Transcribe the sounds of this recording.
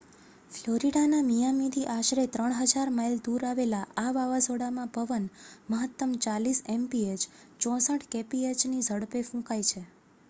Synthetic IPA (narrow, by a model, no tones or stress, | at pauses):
floɾiɽanamijamit̪ʰiʔaʃɾet̪ɾəɳ̃ɦəd͡ʒaɾmajld̪uɾaʋelaʔaʋaʋazoɽamãpəʋənməɦət̪ːəmt͡ʃalisɛmpiet͡ʃ | t͡ʃɔ̃səʈʰkepiet͡ʃnid͡ʒʱəɽpefũkajt͡ʃʰe